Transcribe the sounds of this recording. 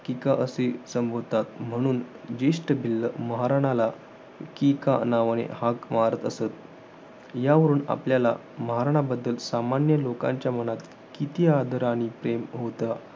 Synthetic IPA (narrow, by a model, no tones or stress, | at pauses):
kikaʔəsesəmbʱoɾt̪at̪m̤əɽ̃uːnd͡ʑeʂʈəbʱilːəməɦaɾaɽ̃ala | kikanaʋɽ̃ḛhakmaɾət̪əsət̪̚ | jaʋəɾuːna̰pljala̰ | məɦaɾaɽ̃abəd̪ːəlsamanjəlokã̰ɲt͡ɕjaməɽat̪ | kit̪iad̪ʱəɾaɽ̃ipɾemɦot̪a